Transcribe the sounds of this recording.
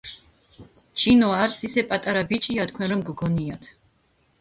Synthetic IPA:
t͡ʃʰinɔaɾt̪sʰisɛpʼat̪ʼaɾabit͡ʃʼiat̪̚kʰwɛɾɔmɡɡɔniat̪ʰ

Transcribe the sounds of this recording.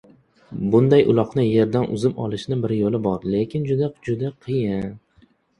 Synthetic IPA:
bʊnd̪ajʔʊ̰lˠɒqnɪje̞ɾd̪anʔʊ̰zɪmɒ̰lˠɪʃnɪbɪɾjolɪbɒɾle̞kʲɪnd͡ʒʊd̪ad͡ʒʊd̪aqʰɨjɪn

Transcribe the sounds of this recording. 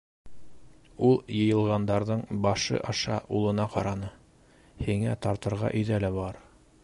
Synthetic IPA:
ulˠjɤ̆jɤ̆lˠʁɑnd̪ɑɾðɤɴbɑʃɤ̰ʔɑʃɑ̰ʔulˠɤ̆nɑqɑɾɑnɤ | hiŋæt̪ɑɾt̪ɤ̆ɾʁɑ̰ʔɵ̆ðælæbɑɾ

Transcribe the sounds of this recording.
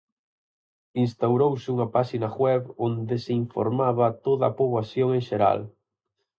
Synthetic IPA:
inst̪awɾowsɪuŋɐpaʃinaɣwɛβond̪eseiɱfo̰ɾmaβɐt̪oðapoβasjoŋẽŋʃeɾa̰l

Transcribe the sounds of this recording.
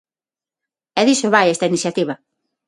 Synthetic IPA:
ɛðisoβajest̪ainiθjat̪iβɐ

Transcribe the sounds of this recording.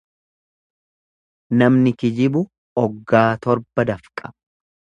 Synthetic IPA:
nɐmnɪkɪd͡ʒɪbʊ | ɔɡːaːt̪ɔɾbɐd̪ɐfkʼɐ

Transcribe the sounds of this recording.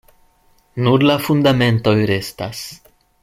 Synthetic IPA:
nuɾlafund̪amẽnt̪ojɾest̪as

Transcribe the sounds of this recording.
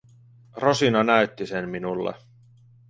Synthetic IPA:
ro̞sinɑnæɥt̪ːisenminulːḛ

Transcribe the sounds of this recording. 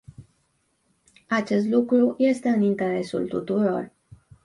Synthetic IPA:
at͡ʃe̞st̪lukɾuje̞st̪e̞ɨnint̪e̞ɾe̞sṵlt̪ut̪uɾo̞̰r

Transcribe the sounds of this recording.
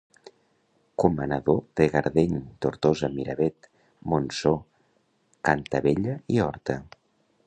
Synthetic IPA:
kumənəðoðeɣaɾðeɲt̪oɾt̪ozəmiɾəβet̪ | monso | kant̪əβeʎəiɔɾt̪ə

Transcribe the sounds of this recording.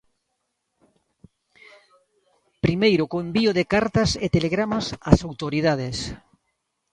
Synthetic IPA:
pɾimejɾʊkombiʊðekaɾt̪aset̪eleɣɾamasasawt̪oɾiðað̞es

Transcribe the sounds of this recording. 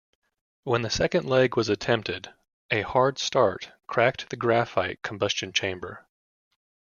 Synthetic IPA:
wə̃nðɨsɛkɨ̃ndˡlɛɡwʌzɨtʰɛ̃mp̚tɪd | ɨhɑɹd̥stɑɹt̚kʰɹ̥æk̚t̪̚ðɨɡɹæfaɪt̚kʰm̩bʌst͡ʃɨ̃nt͡ʃʰẽɪ̃mbə̰˞

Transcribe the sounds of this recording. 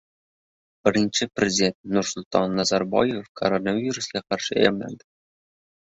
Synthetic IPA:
bʲɘ̆ɾʲinʲt͡ɕɘprʲezʲidʲenʲt̪nursulʲt̪ɑnːɑzɑrbɑ̰jefko̰ɾonavʲiɾuslʲɑqɑrʂḛjɑ̰mlʲɑ̰nd̪ɤ

